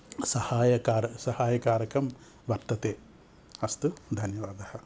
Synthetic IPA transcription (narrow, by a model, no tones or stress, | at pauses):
sɐhaːjɐkaːɾɐsɐhaːjɐkaːɾɐkɐm | ʋɐɾt̪ɐt̪eː | ɐst̪ud̪ʱɐnjɐʋaːd̪ɐhɐ̆